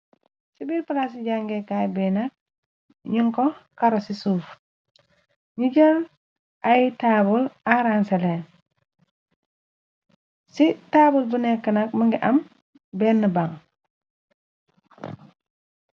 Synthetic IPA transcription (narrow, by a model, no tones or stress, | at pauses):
sibiːɾpalas̬iɟaŋɡekajbɛnak̚ | ɲuŋkɔkaɾosisuːf | ɲiɟɐl | ʔajtaːbulaɾansele | sitaːbulbunɛkːənɐk̚mɐŋɡiʔɐm | bɛːnːəbaŋ